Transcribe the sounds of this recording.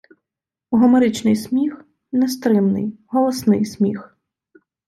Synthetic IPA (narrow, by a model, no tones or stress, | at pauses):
uɦɔmeɾɪt͡ʃnɪjsʲmʲix | nɛst̪ɾɪmnɪ̰jɦɔlˠɔsnɪjsʲmʲix